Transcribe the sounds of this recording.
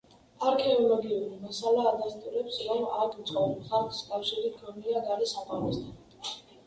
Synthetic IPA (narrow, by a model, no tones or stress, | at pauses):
aɾkʰɛɔlɔɡiuɾimasalaːd̪ast̪ʼuɾɛpsɾɔmakʰut̪sʼqʼɔbχaɾtʰʼi̥skʼafʃiɾikʰɔniaɡaɾisapʼaɾɔsd̪ʰan